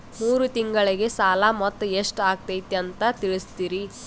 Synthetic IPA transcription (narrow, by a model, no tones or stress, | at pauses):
muːɾut̪iŋɡɐɭiɡe̞saːlamɔt̪ːɐeʂʈaːɡ̚t̪ɐjit̪ːeɐnt̪ɐt̪iɭist̪iːɾi